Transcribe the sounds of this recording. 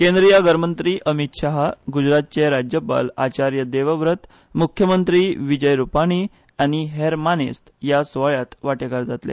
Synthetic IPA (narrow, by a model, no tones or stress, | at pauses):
kẽnd̪ɾijaɡəɾmənt̪ɾiːʔəmit̪ɕaɦaɡud͡ʑɾat̪̚t͡ɕeɾad͡ʑjəpa̰lat͡ɕaɾjəd̪eʋəʋɾət̪ | mukʰjəmənt̪ɾiːʋid͡ʑəjɾupaɽ̃iː | añiɦeɾmanest̪jasʋaɭjat̪ʋaʈekaɾd͡zat̪lḛ